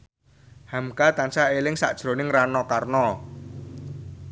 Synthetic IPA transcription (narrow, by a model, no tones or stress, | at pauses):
hamkat̪ansaelɪŋsa̰ʔd̥ʒ̥ɾo̤nɪŋranɔkarnɔ